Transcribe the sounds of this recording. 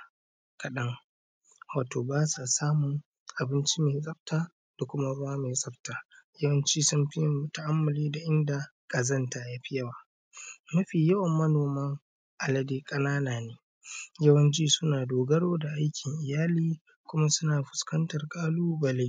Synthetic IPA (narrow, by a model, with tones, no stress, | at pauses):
kɐ˨ɗɐ˦ŋ | waː˨toː˨baː˦sa˨saː˦mʊ˨ŋ | ʔa˨bɪ˦nt͡ʃi˦meː˨sʼɐ˦ɸ̚taː˦ | d̥a˨kʷʊ˦ma˦ɾʊ˦waː˦meː˨sʼɐ˦ɸtaː˨jɐ˦wɐ˦nt͡ʃiː˦sʊ˦mɸɪ˦jɐ˨mʊ˨ta˦˨ʔa˦mːɐ˨liː˦da˨ʔɪ˦nda˨ | kʼɐ˨zɐ˦ntaː˨ja˦ɸɪ˦jɐ˦waː˨ | nɐ˦ɸiː˨jɐ˦wɐ˨mːɐ˦noː˨mɐ˦ŋ | ʔa˨lɐ˦deː˦kʼɐ˦naː˦naː˨neː˨ | jɐ˦wɐ˦nt͡ʃiː˦sʊ˦naː˨doː˨ɡɐ˦ɽoː˦da˨ʔa˦jkʲʰɪ˨ŋʔɪ˨jaː˦liː˦ | kʷʊ˦ma˦sʊ˦naː˨ɸʊ̥˨skɐ˦ntɐ˨rkʼaː˦luː˦bɐ˨le˦